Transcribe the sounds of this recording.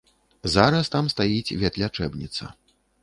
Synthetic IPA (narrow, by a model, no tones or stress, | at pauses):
zaɾɐst̪amst̪ajit͡sʲvʲɛt̪lʲat͡ʂɛbnʲit̪sɐ̰